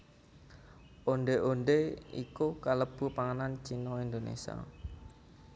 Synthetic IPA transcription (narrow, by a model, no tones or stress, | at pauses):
ʔonɖeʔonɖeḭkukaləb̥ṳpaŋənant͡ʃinɔind̪onḛsa̰